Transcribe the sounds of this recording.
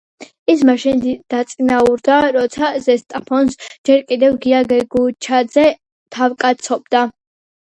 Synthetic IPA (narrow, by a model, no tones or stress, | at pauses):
ismaʃind̪d̪̥at̪sʼinauɾd̪aɾɔt̪sʰazɛst̪ʼapʰɔnsd͡ʒɛɾkʼid̪ɛvɡiaɡɛɡut͡ʃʰad̪zɛ | t̪ʰavkʼat̪sʰɔbd̪a